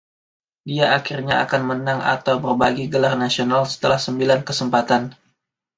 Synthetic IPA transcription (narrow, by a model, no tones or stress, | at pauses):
diaakirɲaa̰kanmənaŋa̰t̪awbərbaɡiɡəlarnasionalsə̥t̪əlahsəmbilankəsəmpat̪an